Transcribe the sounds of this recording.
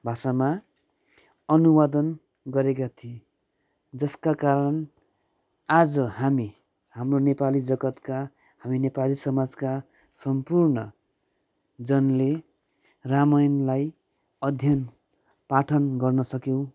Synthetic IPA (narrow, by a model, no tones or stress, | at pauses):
bʱasama | ʌnuwad̪ʌn | ɡʌɾekat̪ʰie | d͡zʌskakaɾʌn | ad͡zʌhami | hamronepalid͡zʌɡʌt̪ka | haminepalisʌmad͡zka | sʌmpurnʌ | d͡zʌnle | ramʌjnlaj | ʌd̪ʱjʌn | paʈʰʌnɡʌrnʌsʌkjew̃